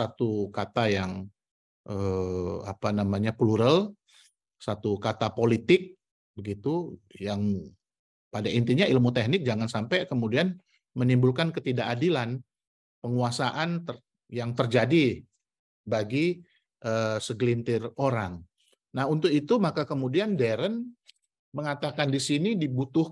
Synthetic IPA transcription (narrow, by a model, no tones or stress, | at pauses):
sat̪ukat̪ajaŋ | ʔəa̰panamaɲapluɾəl | sat̪ukat̪apolit̪ɪk̚ | bəɡit̪ujaŋ | padaint̪iɲailmut̪ehnɪk̚d͡ʒaŋansampajkəmudian | mənimbulkankət̪idaʔadilan | pəŋuasaʔant̪ər | jaŋt̪ərd͡ʒadi | baɡi | ʔəsəɡlint̪ɪroɾaŋ | naɦunt̪ʊkit̪umakakəmudiandɛɾən | məŋat̪akandisinidibut̪ʊh